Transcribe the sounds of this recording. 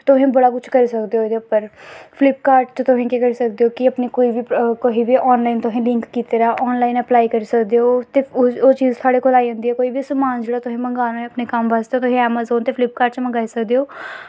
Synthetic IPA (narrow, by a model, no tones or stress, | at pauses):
t̪ʊɦẽːbəɽaːkʊt͡ʃʰkəɾiːsəkd̪eoːd̪epəɾpʰɪlɪpkaːɾɖt͡ʃt̪ʊɦẽːkeːkəɾiːsəkd̪eoːkɪəpneːkoːiːbiːkoiːbiːʔɔːnlaːint̪ʊɦẽːlɪ̃ŋkːiːt̪eːɾaːʔɔːnlaːinəplaːiːkəɾiːsəkd̪eːoːt̪eːoːt͡ʃiːzt̪ʰʊaːɽeːkoːlaːiə̃ːnd̪iɦɛːkoːiːbiːsəmaːnd͡ʒeːɽaːt̪ʊɦẽːməŋɡaːnːẽəpneːkəmʋaːsd̪eoːt̪ʊɦẽːɛːmaːzoːnt̪eːfʰlɪp̚kaːɾɖt͡ʃməŋɡaːisəkd̪eːoː